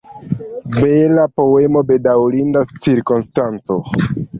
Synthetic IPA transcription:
belapo̞e̞mo̞be̞dawlindast͡ʃiɾkonstant͡so̞

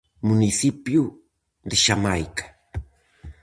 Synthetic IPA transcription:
mʊnɪsɪpjʊ | ɾɪʃamajkḁŋ

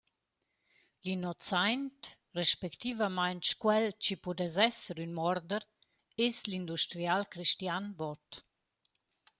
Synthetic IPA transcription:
linɔt͡sajnt | reʃpɛkt̪ivamajnt͡ʃkwɛlt͡ʃipud̪ɛzɛsəɾynmɔɾd̪əɾ | eslind̪uʃt̪ɾialkɾiʃtjanbɔt

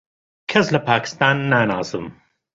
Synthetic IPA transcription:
kʰɐslɐpaːkɪ̥st̪ɑːnːaːnaːsɨm

